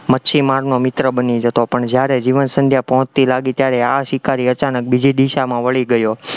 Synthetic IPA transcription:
mətːʃʰimaɾnomɪt̪ɾəbənid͡ʒət̪opəɳd͡ʒjaɾed͡ʒiʋənsənd̪ʱjapəɦɔ̃t͡ʃt̪ilaɡit̪jaɾɛaʃikaɾiət͡ʃanək̚bid͡ʒid̪iʃamãʋəɭiɡəjo

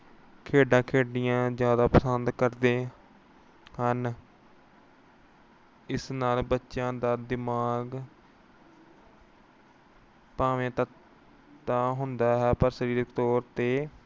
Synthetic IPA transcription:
kʰeːɖãːkʰeːɖɪjãːzjaːd̪aːpəsənd̪kəɾd̪eː | hən | ɪsnaːlbətːʃãːd̪aːd̪ɪmaːɡ | paːʋẽːt̪ət̪ː | aːɦʊnd̪aːɦɛːpəɾsəɾiːɾəkt̪ɔːɾt̪eː

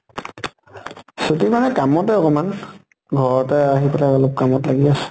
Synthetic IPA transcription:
sotimanɛkamɔtɛɔkɔman | ɡʱɔɹɔtɛaɦipɛlaɔlop̚kamɔtlaɡiasɛ̥

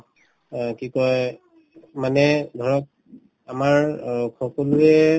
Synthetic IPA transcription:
kikɔj | manɛdʱɔɹɔt̚ | amaɹkɔkɔluɛ

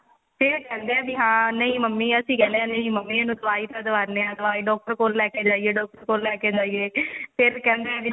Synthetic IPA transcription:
pʰɪɾkɛ̃ːnd̪eːɛ̃ːbiːɦãːnəĩːməmːiːəsĩːkɛ̃ːld̪eɛ̃ːnəĩːməmːiːaːnũːt̪əʋaːiːt̪ãd̪əʋaːɾnẽãːd̪əʋaːiːɖɔːk̚ʈəɾkoːlːɛːkeːd͡ʒaːiːeːɖɔːk̚ʈəɾkoːllɛːkeːd͡ʒaːieːpʰɪɾkɛ̃ːnd̪eɛːbi

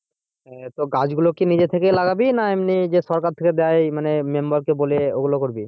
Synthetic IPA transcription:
ɛt̪oɡad͡ʑɡulokinid͡ʑet̪ʰekelaɡabinaemnid͡ʑeʃɔɾkaɾt̪ʰeked̪eajmanemembaɾkeboleoɡulokoɾbi

